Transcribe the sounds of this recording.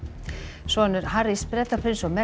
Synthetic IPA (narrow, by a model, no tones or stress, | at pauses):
svɔnʏɾhaɾispɾɛt̪apʰɾɪnsɔwmɛ